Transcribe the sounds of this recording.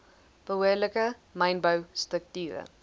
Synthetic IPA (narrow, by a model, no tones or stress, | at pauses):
b̥əɦuələkəmɐjnbəwstək̚tyːɾə̰